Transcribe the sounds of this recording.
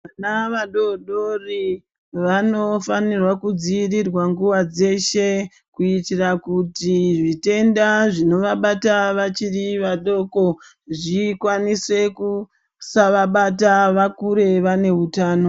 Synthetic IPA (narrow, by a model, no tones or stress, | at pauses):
anaʋaɗoɗori | ʋano̞fanirwakud͡ziːrirwaŋɡuʋad͡ze̞ʃe̞ | kuitirakutiʐite̞ndaʐino̞ʋaɓataʋat͡ʃiriʋaɗo̞ko̞ | ʐikwanise̞ku | saʋaɓataʋakuɾe̞ʋane̞ɦutaːno̞